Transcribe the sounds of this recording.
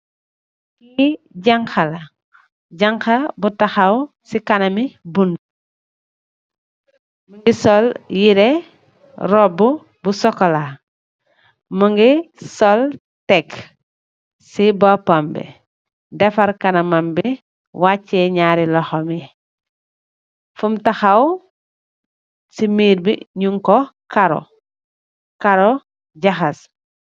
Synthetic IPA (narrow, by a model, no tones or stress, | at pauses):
kiɟaŋkɐla | ɟaŋxɐbutaxaw | sikɐnɐmibund | muŋɡisɔljiɾɛ | ɾɔbu | busɔkɔla | məŋɡisɔl | tɛk | sibopambɛ̰ | dɛfɐɾkɐnɐmambi | wat͡ʃːeɲaːɾilɔxomi | fumtaxaw | simiːɾbḭɲuŋkɔkaɾo̰ | kaɾo | ɟaxas